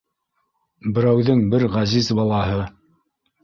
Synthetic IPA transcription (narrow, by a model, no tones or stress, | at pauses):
bɘ̆ɾæwðɘŋbɘɾʁæzizbɑlˠɑɦɤ